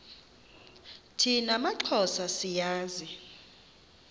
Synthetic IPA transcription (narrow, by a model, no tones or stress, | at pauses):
tʰinamaǃʰɔsasijaːzi